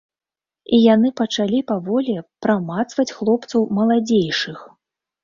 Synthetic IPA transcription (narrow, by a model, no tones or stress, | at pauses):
ijanɨpɐt͡ʂalʲipavɔlʲipɾamat̪svɐt͡sʲxlˠɔpt̪sɐwmɐlˠad͡zʲejʂɨx